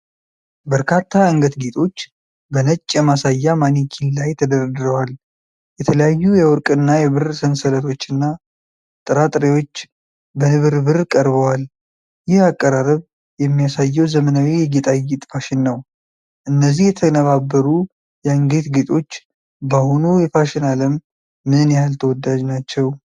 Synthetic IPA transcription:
bəɾkʰat̪ʰːaɨŋɡət̪ɡet̪ʼo̞t͡ʃː | bənət͡ʃʼːjɛmasajːamanikʰinlajt̪ʰəd̪əɾəd̪ɨɾəwal | jɛt̪ʰələjajːujɛwɔɾkʼɨnːajɛβɨrsənsələt̪ʰo̞t͡ʃːɨnːa | t̪ʼɨɾat̪ʼɾewo̞t͡ʃː | bənɨβɨɾbɨrkʼəɾβəwal | jɪhakʼːəɾaɾəβ | jɛmːijasajːɛwzəmənawijɛɡet̪ʼajit̪ʼfaʃɪnːəw | ʔɨnːəzːihjɛt̪ʰənəβabːəɾu | jɛɨŋɡet̪ɡet̪ʼo̞t͡ʃː | bahunujɛfaʃɪnaləmː | ɨnjalt̪ʰəwɔd̪ːad͡ʒnat͡ʃːɛw

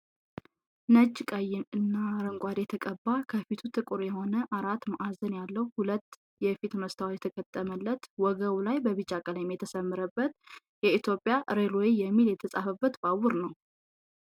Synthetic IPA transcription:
nəd͡ʒːkʼajːɪnɨnːaɾəŋɡʷʼad̪jɛt̪ʰəkʼəbːakʰəfit̪ʰut̪ʰɨkʼɨɾjɛho̞nəʔaɾat̪ːmaʔazənjalːəwhulət̪ː | jɛfit̪məst̪ʰawjɛt̪ʰəkʼət̪ʼːəməlːət̪wɔɡəwulajbəβɨt͡ʃʼːakʼəljɛmjɛt̪ʰəsəmːɨɾəbːət̪ | jɛit̪ʰjo̞pʼjaʔɾelojejɛmːiljɛt̪ʰəsʼa̰fəbːət̪bawʊɾnəw

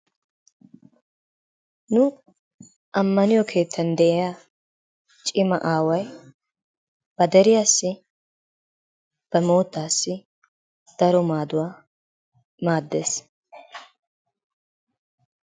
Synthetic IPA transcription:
nʊ | ʔɐmːɐnɪjɔkʰe̞ːt̪ʰːɐnd̪ɛʔɛjaː | t͡ʃʼɪmɐ̰ʔaːwɐj | b̥ɐd̪ɛɾɪjaːsːɪ | b̥ɐmo̞ːt̪ːaːsːɪ | d̪̥ɐɾɔmaːd̪ʊwaː | maːd̪ːeːs

